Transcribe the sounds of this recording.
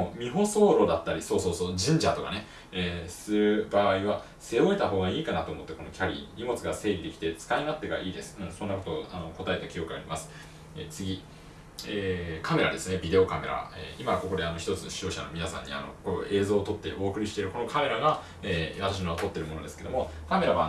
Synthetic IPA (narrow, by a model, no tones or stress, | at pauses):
omʲiɦo̞so̞ːɾo̞d̪at̪ːaɾʲiso̞ːso̞ːsoːd͡ʑĩɲ̟d͡ʑat̪o̞ka̰ne̞ | eːsɨɾɯ̟baːiβa | se̞o̞e̞t̪aɦo̞ːɡaiːkanat̪o̞ːmo̞t̪ːe̞ko̞no̞kʲaɾʲḭɲʲimo̞t͡sɨɡase̞ːɾʲid̪e̞kʲi̥t̪e̞t͡sɨ̥kainat̪ːe̞ɡa̰ʔiːd̪e̞sɨ̥ɯ̟̃ɴsonːakot̪o̞ano̞ko̞t̪ae̞t̪akʲijo̞kɯ̟a̰ɾʲimasɨ̥ | et͡sɨɡʲi | eːkʰame̞ɾad̪e̞sɨne̞bʲid̪e̞o̞kame̞̰ɾa̰ḛːimako̞ko̞d̪e̞ano̞çi̥t̪o̞t͡sɨɕio̞ːɕano̞̰mʲinasã̰ɲ̟ːḭa̰no̞̰koe̞ːzo̞ːt̪o̞t̪ːe̞ʔo̞ːkɯ̟ɾʲiɕi̥t̪e̞ɾɯ̟ko̞no̞kʰame̞ɾaɡa | eːβat̪aɕ̬inoot̪o̞t̪ːe̞ɾɯmo̞no̞d̪eske̞d̪omokame̞ɾaβa